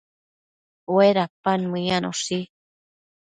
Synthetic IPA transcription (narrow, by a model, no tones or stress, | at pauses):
weɾapanmɨjano̰ʂi